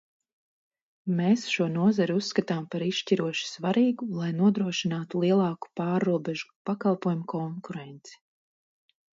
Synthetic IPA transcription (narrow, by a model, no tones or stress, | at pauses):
meːsʃuɔnuɔzaɾusːkat̪aːmpaɾiʃʃciɾuɔʃi̥svaɾiːɡulˠajnuɔd̪ɾuɔʃinaːt̪ulˠiɛlˠɑːku̥pɑːɾːuɔbɛʒu̥pakalˠpuɔjumukʰɔŋkuɾɛnt̪si̥